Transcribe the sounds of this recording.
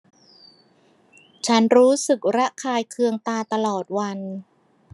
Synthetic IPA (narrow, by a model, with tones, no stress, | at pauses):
t͡ɕʰa˦˥nɾuː˦˥sɯ˨˩k̚ɾa˦˥ʔkʰaː˧jkʰɯ˧əŋt̪aː˧t̪a˧lɔː˨˩t̪̚wa˧n